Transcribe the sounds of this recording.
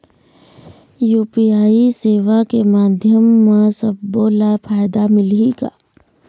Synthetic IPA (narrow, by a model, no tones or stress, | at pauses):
juːpiaːiseːʋakemaːd̪ʱjəmːasəbːoːlapʰaːjd̪amɪliɡa̰ː